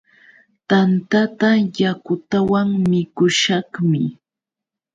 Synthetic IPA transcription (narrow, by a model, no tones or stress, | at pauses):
t̪ant̪at̪ajakʊt̪awaŋmɪkʊʃɑχmɪ